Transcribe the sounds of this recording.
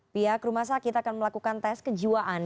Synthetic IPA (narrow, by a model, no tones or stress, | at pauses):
piɦakɾumahsakit̪akanməlakukant̪ɛskəd͡ʒiwaʔan